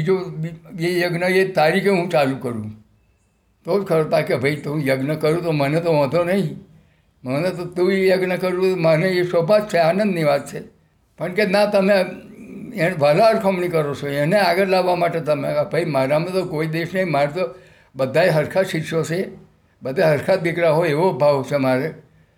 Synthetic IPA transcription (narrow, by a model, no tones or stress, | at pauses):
id͡ʒoijejəɡnəet̪aɾikʰeɦũt͡ʃalũkəɾũ | t̪od͡ʒkʰəɾot̪akebʱəjt̪ũjəɡnəkəɾũt̪omənet̪oʋə̃d̪ʱonəɦĩ | mənet̪ot̪ũejəɡnəkəɾũt̪oməneesobʱad͡ʒt͡ʃʰeanə̃nd̪niʋat̪̚t͡ʃʰe | pəɳkenat̪əme | eʋalaəɾkʰəmnikəɾot͡ʃʰoeneaɡəɾlaʋːamaʈet̪əmebʱəjmaɾamẽt̪okoid̪eʃnəĩmaɾt̪o | bəd̪ʱaeɦəɾkʰaʃikʃot͡ʃʰe | bəd̪ʱaɦəɾkʰat̪̚bikɾaɦoeʋobʱaʋt͡ʃʰemaɾe